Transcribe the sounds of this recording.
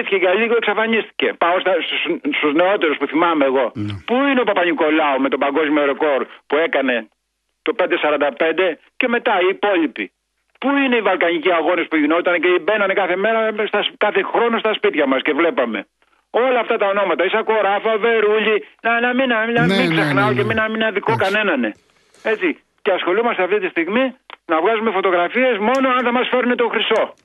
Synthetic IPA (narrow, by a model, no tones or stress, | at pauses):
tçeɣɐʎiɣoeksɐfɐnist̪i̥ce̞pɐost̪ɐssst̪ozne̞o̞t̪eɾo̞spuθimɐmeːɣo̞puineopɐpɐɲiko̞lɐome̞t̪o̞bɐŋɡo̞zmioɾeko̞ɾpue̞kɐne̞ | t̪o̞pe̞nd̪esɐɾɐnd̪ɐpe̞nd̪e̞ | ce̞me̞t̪ɐiːpo̞ʎipi | puineivɐlkɐɲiciɐɣo̞nespuʝinot̪ɐneceibe̞nɐnekɐθe̞me̞ɾɐst̪ɐskɐθe̞xɾo̞no̞st̪ɐspit̪çɐmɐsce̞vle̞pɐme̞̰ | o̞lɐːft̪ɐt̪ɐo̞no̞mɐt̪ɐisɐko̞ɾɐfɐve̞ɾuʎinɐnɐminɐnɐmiŋksexnɐaoceminɐminɐðikokɐne̞nɐne̞ | e̞t͡si | ceɐsxo̞lumɐst̪eɐft̪it̪ist̪iɣminɐvɣɐzumefo̞t̪o̞ɣɾɐfie̞smo̞no̞ɐnθɐmɐsfe̞ɾunet̪o̞xɾiso̞